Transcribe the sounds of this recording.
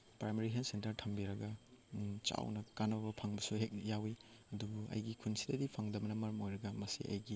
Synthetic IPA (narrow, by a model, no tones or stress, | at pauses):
pɾameɾikʰensentɐɾtʰɐmbiɾɐɡɐ | t͡ʃa̰wnɐkanɐbɐpʰaŋbɐsuɦek̚jawiɐdubuɐ̰jɡikʰunsidɐdipʰaŋdɐbɐnɐmɐɾɐmojɾɐɡɐmɐsḭɐ̰jɡi